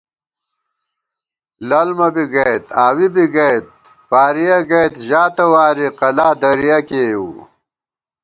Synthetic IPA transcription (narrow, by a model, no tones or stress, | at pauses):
lɐlmɐbiɡɐjt̪aːwibiɡɐjt̪̚ | faːɾijɐɡɐjt̪ʑaːt̪ɐwaːɾiqɐlaːd̪ɐɾijɐkeːjṵ